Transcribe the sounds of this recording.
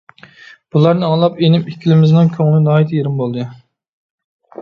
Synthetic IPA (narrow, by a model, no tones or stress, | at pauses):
b̥ulˠɑɾnɨɑŋlˠɑpenɪmikʲʰilɪmɪznɪŋkʲʰøŋlɪnɑːit̪ʰejeɾɪmbolˠd̪ɨ